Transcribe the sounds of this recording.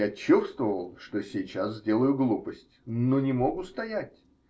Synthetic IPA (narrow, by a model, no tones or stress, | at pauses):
at͡ɕust̪vəvəlˠʂt̪o̞sʲɪjt͡ɕaszʲdʲe̞lˠəjʊɡlˠupəsʲtʲnonʲɪmoɡʊst̪ɐjatʲ